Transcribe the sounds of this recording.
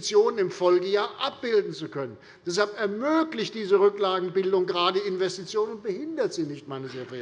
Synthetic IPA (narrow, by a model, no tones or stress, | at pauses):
t͡sjoːnənɪmfɔlɡəjaːɐʔap̚b̥ɪldn̩t͡sukʰœnən | d̥ɛs̬halpɛɐmøːklɪçtd̥iːzəʁʏklaːɡŋ̩bɪldʊŋɡəʁaːdədiɪnvɛstit͡sjoːnʊnt̚b̥əhɪndɐtz̥iːnɪçtmaɪnəseɐfeː